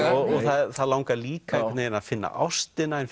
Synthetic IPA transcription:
ɔɣɔθaðθaðlawŋkaliːkakɛtt̪nejɾɪnḁfɪnːa̰ʔa̰wst̪ɪnaɛnf

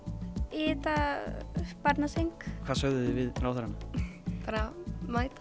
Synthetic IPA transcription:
ɪːt̪a | paɾt̪nasejŋkkʰv̥aðsœɣðʏðɪvɪðɾaːwθaɾanapaːɾamaːjt̪ḁ

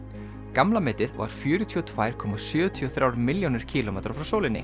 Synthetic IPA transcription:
kamlamɪːt̪ɪðva̰ɾ̥fjʏːɾʏt̪ʰiɔt̪ʰvajɾ̥kʰɔːmasjʏːt̪ʰiɔθɾjaːwɾmɪljownɪɾ̥cʰiːlɔmɛːt̪ɾ̥fɾawsoːwlɪnːɪ̰

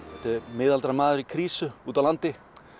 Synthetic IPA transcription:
ɛht̪ɪmɪːðalt̪ɾamaːðʏɾikʰɾiːsʏuːt̪awlant̪ɪ

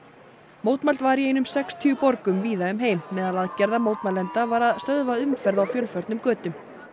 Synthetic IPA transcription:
moːwt̪malt̪vaɾiejnʏmsɛkst̪ʰʏʏpɔɾkʏmviːðaʏmɦeːjmːɛðalaðcɛɾðamowt̪malɛnt̪avaɾaðst̪œðvaʏmfɛɾðawfjœlfœɾt̪nʏmkœːt̪ʏm

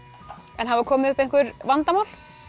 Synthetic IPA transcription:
ɛnɦavakʰɔːmɪðʏhpejŋ̥kʏɾvant̪amaːwl̥

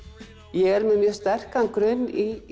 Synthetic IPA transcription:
jɛɣɛɾmɛðmjœst̪ɛr̥kankɾœɥnːi

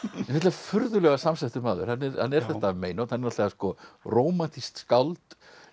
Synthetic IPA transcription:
ɛnat̪vafʏɾðʏlɛɣasamsɛht̪ʏmaːðʏ̰ɾ̥hanːɛɾhanːɛɾ̥θɛt̪ameːjnowt̪hanːɛɾat̪aaskɔroːwmant̪ʰist̪skawlt̪

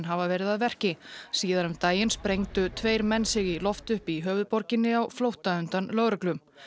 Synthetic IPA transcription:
nɦavavɛːɾɪðaðvɛr̥cɪsiːðaɾʏmt̪aːjɪnspɾejŋt̪ʏt̪ʰvejɾmɛnːsɪɣilɔft̪ʏhpiɦœːvʏðpɔɾcɪnːɪawflowht̪aʏnt̪anlœɣɾʏklʏm

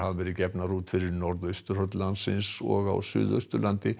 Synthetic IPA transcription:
havavɛːɾɪcɛpnaruːt̪fɪɾɪɾnɔɾðœɥst̪ʏɾhœɾt̪lant̪sɪ̰nsɔ̰ɣa̰wsʏ̰ːðœ̰ɥst̪ʏlant̪ɪ

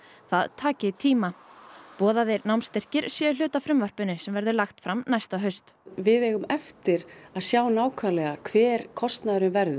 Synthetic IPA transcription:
θa̰ðt̪ʰaːcɪt̪ʰiːmapɔːðaðɛɾnawmst̪ɛr̥cɪɾ̥sjɛl̥ʏːt̪afɾʏmvar̥pʏnɪsɛmvɛɾðʏlaxt̪fɾamnajst̪aɦœɥst̪ | vɪðɛɣʏmɛft̪ɪɾaðsjaːwnaːwkʰvalɛɣakʰvɛːɾkʰɔst̪naðɾʏmvɛɾðʏ

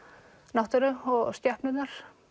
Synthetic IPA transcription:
nawht̪ʏɾʏɔɣst̪jɛhpnʏt̪naɾ̥

